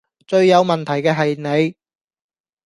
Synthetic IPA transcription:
t͡ʃɵ˨˧ɥjɐ˨˧wmɐ˨nt̪ʰɐ˨˩jkɛː˧ɦɐ˨jne˨˧j

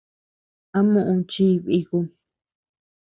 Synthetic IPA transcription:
ã˦mũ˦˧ʔũ˧t͡ʃi˦˧βi˧ku˧

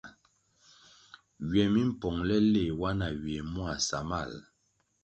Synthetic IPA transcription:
ɥɛ˨mi˦m̩˦˨pɔ˨ŋlɛ˦le˦˨wa˦na˨ɥe˨mwa˨sa˨ma̰˦˨l

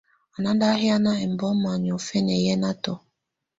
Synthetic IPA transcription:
a˨na˦da˦ɦi˦a˦na˦ɛ˨m̩˨bɔ˦ma˨ɲ˨ɔ˨fɛ˦nɛ˨jɛ˦na˦tɔ˨

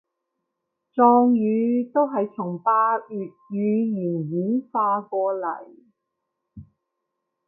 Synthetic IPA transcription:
t͡sɔː˧ŋjyː˨˧t̪o˥wɦɐ˨jt͡sʰʊ˨˩ŋpaː˧yː˨t̚jyː˨˧jiː˨˩njiː˨˥nfaː˧kɔː˧lɐ̰˨˩j

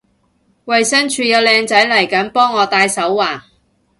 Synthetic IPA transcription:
wɐ˨jsɐ˥nt͡ʃʰyː˨˧jɐ˨˧wlɛː˨˧ŋt͡sɐ˨˥jlɐ˨˩jkɐ˨˥npɔː˥ŋːɔː˨˧t̪aː˧jsɐ˨˥wːaː˨˩

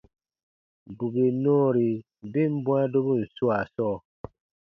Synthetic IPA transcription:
bu˨be˨nɔ̃ː˦ɾi˨ | be˦˨m̩˦bw̃ã˦do˦bu˦˨n̩˨su˦a˨sɔː˦˨

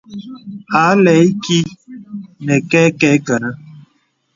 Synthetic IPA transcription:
a˨˦lɛ˨˦i˦ki˦ | nɛ˨kɛ˦kɛ˦kə˨na˦

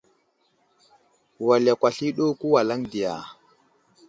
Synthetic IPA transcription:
wa˨la˨kʷa˨ɬi˦ɗo˦ku˦wa˨la˦ŋdi˨ja̰˨

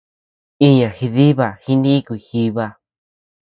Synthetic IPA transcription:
i˦ɲã˨xi˧ði˦βa˨hi˦˧nĩ˦˧kʷi˧˨xi˧βa˦˧

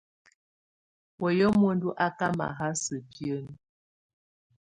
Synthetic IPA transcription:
wɔ˨jɔ˦mwo˦n˦du˦ʔa˦ka˦ma̰˨ɦa˦sə˨pjə˦n˦

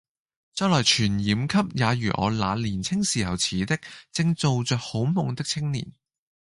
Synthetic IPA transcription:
t͡sœː˥klɔː˨˩jt͡ʃʰyː˨˩njiː˨˧mkʰɐ˥p̚jaː˨˧jyː˨˩ʔɔ̰ː˨˧la̰ː˨˧liː˨˩nt͡sʰɪ˥ŋsiː˨˩hɐ˨˩wt͡sʰiː˨˥t̪ɪ˥k̚t͡sɪ˧ŋt͡so˨wt͡sœː˨˧k̚ho˨˥wmʊ˨˩ŋt̪ɪ˥k̚t͡sʰɪ˥ŋnḭ˨˩n

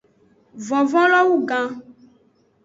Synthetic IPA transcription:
vɔ̃˨vɔ̃˦lɔ˦wu˦ɡã˦

